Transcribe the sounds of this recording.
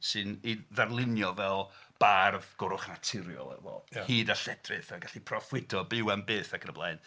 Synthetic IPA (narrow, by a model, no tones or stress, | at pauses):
sɨniðarlˠɪnjɔvɛlˠb̥arvɡ̥ʊɾʊχnatʰɪɾjɔ̰lˠɛ̰vɔ̰hiːdaɬɛdrɨθaɡaɬipʰrɔfwɪdɔbɪwanbeːθakʰənəblˠa̰jn